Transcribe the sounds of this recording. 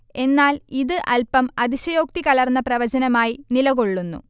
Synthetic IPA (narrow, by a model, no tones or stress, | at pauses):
e̞nːaːliðɨʔɐlpɐmɐðiɕɐjo̞ːk̚t̪ikɐɭɐrnːɐprɐʋɐd͡ʑɐnɐmaːjinilɐɣo̞ɭːunːṵ